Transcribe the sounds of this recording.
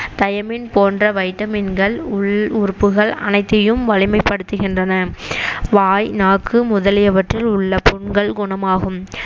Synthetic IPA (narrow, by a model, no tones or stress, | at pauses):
t̪ɐjɐmɪnpoːndrɐʋɐɪʈːɐmɪnɡɐɭʊʊrpːɯɣɐɭɐ̰nɐɪt̪ːɐjɯmʋɐɭɪmɐɪpːɐɽɯt̪ːɯɣɪndrɐnɐʋaːjnaːkːɯmʊðɐlɪjɐʋɐʈrɪlʊɭːɐpɔɳɡɐɭɡʊɳɐmaːɣɯm